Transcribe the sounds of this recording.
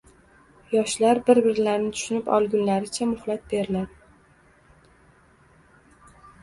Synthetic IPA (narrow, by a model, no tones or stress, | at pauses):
jɒʃlaɾbɪɾbɪɾlaɾnɪt̪ʰʊ̥ʃʊnɪpɒ̰lˠɡʲʊnlaɾɪt͡ʃʰamʊhlˠat̪̚be̞ɾɪlaɾ